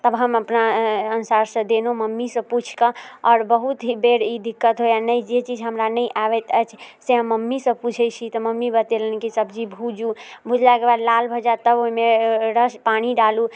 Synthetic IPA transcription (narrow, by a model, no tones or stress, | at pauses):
t̪əbɦəməpnaənusaɾsə̃d̪enoməmːisə̃put͡ʃʰkəɔːɾbəɦut̪ɦibeɾid̪ikːət̪ɦojanəjd͡ʒet͡ʃid͡ʒʱɦəmɾanəjʔaβɛt̪ət͡ʃʰseɦəmːəmːisə̃put͡ʃʰəjt͡ʃʰit̪ɔməmːibət̪elənkisəbd͡ʒibʱud͡ʒubʱud͡ʒlaɡebad̪lalbʱəd͡ʒat̪əboɦimeɾəspaniɖalu